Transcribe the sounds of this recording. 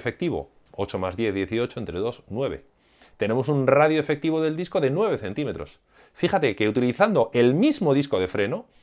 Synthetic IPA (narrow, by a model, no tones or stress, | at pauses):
fe̞k̚t̪iβ̞o̞̰ | o̞t͡ʃo̞mazðje̞θðje̞θio̞t͡ʃoe̞nt̪ɾe̞ðo̞snwe̞βe̞̰ | t̪e̞ne̞mo̞sunraðjoefe̞k̚t̪iβo̞ðe̞ld̪iskoðe̞nwe̞β̞e̞θe̞nt̪ime̞t̪ɾo̞̰s | fixat̪e̞keut̪iliθand̪o̞ʔe̞lmizmo̞ð̞isko̞ð̞e̞fɾe̞no̞